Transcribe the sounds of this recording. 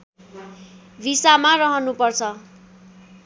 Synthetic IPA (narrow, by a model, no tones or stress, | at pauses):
bʱisamarʌɦʌnupʌrt͡sʰʌ